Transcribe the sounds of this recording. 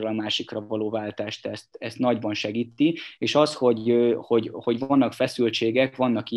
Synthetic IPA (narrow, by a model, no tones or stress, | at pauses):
olɒmaːʃikrɒvɒloːvaːlt̪aːʃt̪ɛst̪ɛst̪nɒɟbɒnʃɛɡiːt̪ːieːʃɒsho̞ɟøho̞ɟho̞ɟvɒnːɒkfɛsylt͡ʃeːɡɛkʋɒnːɒki